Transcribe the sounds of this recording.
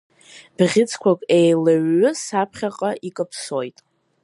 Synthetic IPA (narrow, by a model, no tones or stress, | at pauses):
b̥ʁʲɪt͡sʰkʷʰakʷʼejlaɥːʊsapʰχʲaqʼaʔikʼapʰsojtʼ